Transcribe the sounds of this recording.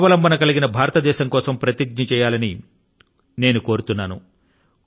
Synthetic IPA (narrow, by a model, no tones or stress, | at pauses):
ʋɐlɐmbʱɐnɐkɐliɡinɐbʱaːɾɐt̪ɐd̪ɛːʃɐmŋkɔːsɐmpɾɐt̪iɡ̚ɲɐt͡ʃɛːjaːlɐni | ne̞ːnuko̞ːɾut̪unːaːnu